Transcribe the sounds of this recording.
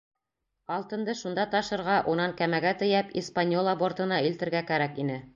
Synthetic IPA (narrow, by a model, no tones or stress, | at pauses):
ɑlˠt̪ɤ̆nd̪ɤʃund̪ɑt̪ɑʃɤ̆ɾʁɑʔunɑŋkæmæɡæt̪ɘ̆jæpispanʲjolˠabo̞ɾt̪ɤ̆nɑilt̪ɘ̆ɾɡækæɾækinɘ